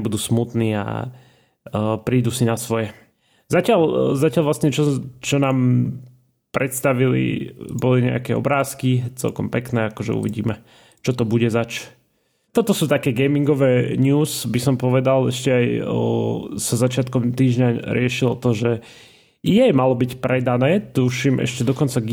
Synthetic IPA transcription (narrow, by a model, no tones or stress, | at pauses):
bud̪uːsmut̪niːa̰ | pɾiːd̪usinasʋɔjɛ | zacɪalzacɪalʋlasɲɛt͡ʃɔt͡ʃɔnaːm | pɾɛt̪st̪aʋilḭbɔliɲɛ̰a̰kɛːɔ̰bɾaːskit͡sɛ̰lkɔmpɛknɛːakɔʒɛ̰ṵʋiɟḭːmɛ | t͡ʃɔt̪ɔbuɟɛzat͡ʃ | t̪ɔt̪ɔsuːt̪akɛːɡɛjmiŋɡɔʋɛːɲuːsbisɔmpɔʋɛd̪alɛʃcɛaj | sazat͡ʃɪat̪kɔmt̪iːʒɲaɾɪɛʃilɔt̪ɔʒɛ | jɛjmalɔbicpɾɛd̪anɛːt̪uʃimʔɛ̰ʃcɛd̪ɔkɔnt͡saɡ